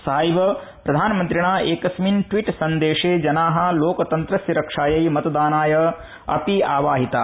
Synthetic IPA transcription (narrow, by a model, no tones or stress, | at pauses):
sɐɦajbɐ | pɾɐd̪ʱaːnɐmɐnt̪ɾiɳaːʔeːkɐsminʈʋiʈsɐnd̪eːʂeːd͡ʒɐnaːɦɐ̆loːkɐt̪ɐnt̪ɾɐsjɐɾɐkʂaːjɐjmɐt̪ɐd̪aːnaːjɐ | ɐ̰piaːʋaːɦit̪a